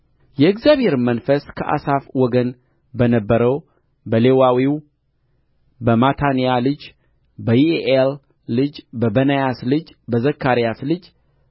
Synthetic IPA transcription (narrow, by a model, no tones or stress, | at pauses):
jɛɨɡzjaβhe̞ɾmənfəskʰəʔa̰safwɔɡən | bənəbːəɾəw | bəlewawiw | bəmat̪ʰanijalɨd͡ʒ | bəjieʔelː | ɨd͡ʒbəbənəjaslɨd͡ʒbəzəkʰːaɾijaslɨd͡ʒ